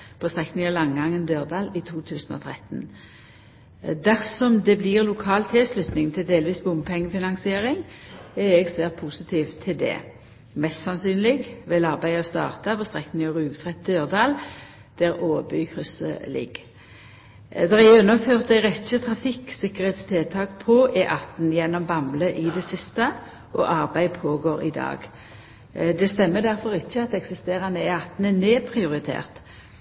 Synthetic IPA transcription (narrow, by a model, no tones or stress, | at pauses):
pʰɔst̪ʁɛknɪŋɑlɑŋɡɑŋːənd̪øːʁd̪ɑːlit̪ʰuːt̪ʰʉːsn̩ɔ̰ːt̪ʰʁɛt̪n | d̪æʁsɔmd̪ɛbliːʁlʊkʰɑːlt̪ʰɪlslʉt̪nɪŋt̪ʰɪld̪eːlʋiːsbʊmbpʰɛŋːəfɪnɑŋsɪeːʁɪŋɛʁɛɡsʋæːʁt̪̚pʰuːsət̪ʰiːʋt̪ʰːɪld̪ɛ̰ː | mɛst̪sɑnsyːnlɪɡʋɛlɑʁbæɪɔst̪ɑ̰ːʁt̪ɑpʰɔst̪ʁɛkːnɪŋɔʁʉːɡt̪ʰʁɛt̪̚d̪øːʁd̪ɑːl | d̪̥æʁoːʋəbyːkʰʁʉsə̰lɪ̰ɡ | d̪ʁæʉnːəføːʁt̪æɪɾɛt̪çət̪ʰʁɑfɪksɪkəɾheːt̪st̪ʰeːlt̪ʰɑːkpʰɔʔɛʔɑt̪n̩jɛnːɔmbɑmləʔɪd̪ɛsɪst̪ə | ʔɔ̰ʔɑʁbæɪpʰoːɡoːɾɪ̰d̪ɑ̰ːɡ | d̪ɛst̪ɛmːəd̪æɾfɔʁɪçːəɑt̪ɛksɪst̪eːɾɑnəɛɑt̪ːn̩ɛneːpʰɾɪʊʁɪt̪ʰḛːʁt̪